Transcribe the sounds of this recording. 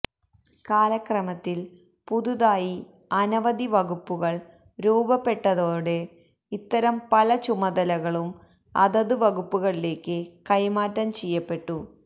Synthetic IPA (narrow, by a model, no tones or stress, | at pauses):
kaːlɐkrɐmɐt̪ːil | puðuðaːji | ɐnɐʋɐd̪iʋɐɣupːuɣɐɭ | ɾuːbɐpːe̞ʈːɐðoːɽe | it̪ːɐɾɐmpɐlɐt͡ɕumɐðɐlɐɣɐɭum | ɐ̰ðɐðuʋɐɣupːuɣɐɭile̞ːkːɨkɐjmaːtːɐmt͡ɕejːɐpːe̞ʈːu